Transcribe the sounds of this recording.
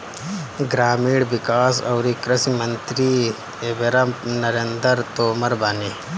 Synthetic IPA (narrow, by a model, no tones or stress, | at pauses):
ɡɾaːmiːɽʋikaːsɐːɾikɾɐsimɐnt̪ɾi | ebeɾanɐɾend̪əɾt̪oːmɐɾbaːni